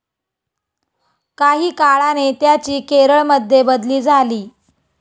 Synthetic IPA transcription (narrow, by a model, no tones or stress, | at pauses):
kaɦiːkaɭanet̪jat͡ɕiːkeɾəɭməd̪ʱjebəd̪liːd͡zʱaliː